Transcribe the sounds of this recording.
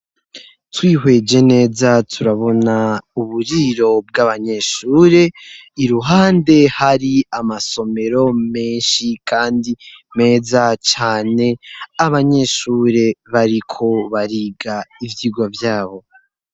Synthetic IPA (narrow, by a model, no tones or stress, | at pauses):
twiːɦwe̞d͡ʒe̞ne̞ːzatʰuɾaβo̞nauβuɾiɾo̞b̚ɡaβaɲe̞ʃuːɾe̞iɾuɦaːnde̞haɾiamaso̞me̞ɾo̞me̞ːnʃikʰaːndime̞ːzat͡ʃaːne̞aβaɲe̞ʃuːɾe̞βaɾikʰo̞βaɾiɡaivjiːɡwavjaːβo̞